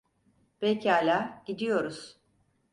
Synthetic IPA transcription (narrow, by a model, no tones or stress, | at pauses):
b̥ecʰalʲaɟ̥id̪ijo̞ɾuz̥